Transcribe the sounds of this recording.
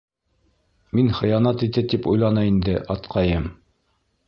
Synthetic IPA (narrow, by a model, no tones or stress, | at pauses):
minχɘ̆jɑnɑt̪it̪ɘt̪ipujlˠɑnɑind̪ɘʔɑt̪qʰɑjɤm